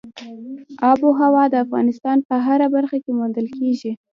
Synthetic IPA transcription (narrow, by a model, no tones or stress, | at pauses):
ɑboɦawɑd̪əafɣɑ̰nɪst̪ɑnpəɦaɾabaɾxakemund̪əlkeʒi